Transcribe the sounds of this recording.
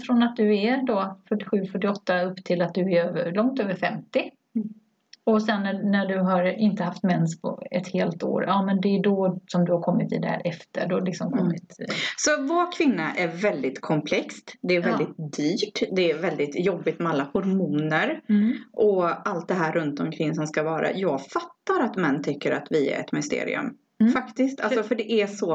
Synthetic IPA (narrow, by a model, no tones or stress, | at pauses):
fɾɔnat̪̚d̪ɵæɖɔfœʈːɪ̥ɧʉ̟ːfœʈːɪɔt̪ːaɵpːt̪ʰɪlat̪̚d̪ɵæɾøːvəɭɔŋt̪øːvəɾfɛmt̪ɪ | ɔsɛnːænæɖɵɦaɾɪnt̪əɦaft̪mɛnspʰɔ̰ɛ̰t̪heːlt̪o̰ːɾɑːmɛnd̪ɛːɖɔsɔmd̪ɵhaɾkʰɔmːɪt̪ḭd̪ɛhæ̰ːɾʔɛft̪ʰə̰ɖɔlɪksɔmkʰɔmːɪt̪sɔvoɾkʰvɪnːaʔæɾvɛld̪ɪt̪kʰɔmpʰlɛkst̪d̪ɛːɾvɛld̪ɪt̪̚d̪yːʈd̪ɛːvɛld̪ɪt̪jɔbːɪt̪mɛalːahʊɾmuːnəɾʔɔalt̪̚d̪ɛɦæːɾːɵnt̪ɔmkʰɾɪŋːsɔmskavɑːɾa̰jɑːɡfat̪ːaɾat̪mɛnːt̪ʰʏkːəɾat̪vɪæ̰ɾɛ̰t̪mɪst̪ḛːɾɪ̰ɵ̰m | fakt̪ɪst̪ʰalsɔfœɖɛʔæsɔ